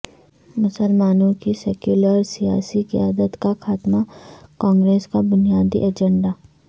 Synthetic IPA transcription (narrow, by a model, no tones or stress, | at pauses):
mʊsəlmaːnũkiseːkjuːləɾsija̰ːsikjaːd̪ət̪kakʰaːt̪makɔ̃ːŋɡɾeːskabʊnijaːd̪ḭʔɐd͡ʒə̃ɳɖaː